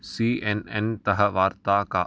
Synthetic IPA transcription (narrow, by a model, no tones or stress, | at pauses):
siːenent̪ɐɦəʋaːɾt̪aka